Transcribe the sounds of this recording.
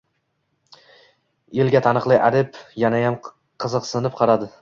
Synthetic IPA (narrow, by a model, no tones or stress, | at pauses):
elɡʲat̪ʰanɨqlˠɪʔaɾɪpjanajam | qʰɨzɨqsɪnɪp̚qʰɑɾad̪ɪ